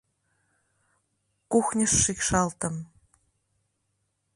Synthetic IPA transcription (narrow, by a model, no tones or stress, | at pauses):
kuxnʲəʂːikʂɑlˠt̪ə̆m